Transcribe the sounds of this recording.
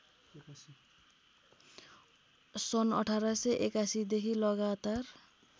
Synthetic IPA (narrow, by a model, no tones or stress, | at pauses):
sʌnʌ̰ʈʰaɾaseʔekasid̪ekʰilʌɡat̪ar